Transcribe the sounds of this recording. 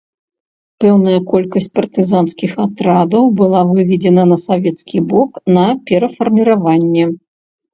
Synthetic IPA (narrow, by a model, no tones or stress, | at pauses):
pɛwnɐjɐkɔlʲkɐsʲt͡sʲpɐrt̪ɨzanskʲixat̪ɾad̪ɐwbɨlˠavɨvʲid͡zʲɛnɐnɐsavʲɛt̪skʲibɔknɐpʲɛɾɐfɐrmʲiɾavanʲːɛ